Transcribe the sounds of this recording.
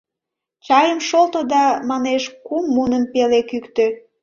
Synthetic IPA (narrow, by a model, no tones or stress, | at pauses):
t͡ɕɑjəmʃolt̪od̪ɑmɑneʃkumːunəmpelekykt̪ø